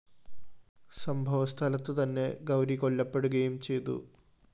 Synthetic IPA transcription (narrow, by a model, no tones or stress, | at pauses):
sɐmbʱɐʋɐst̪ʰɐlɐt̪ːɨt̪ɐnːe̞ɡɐwɾiko̞ɭːɐpːe̞ɽuɣɐjumt͡ɕe̞jt̪ṵ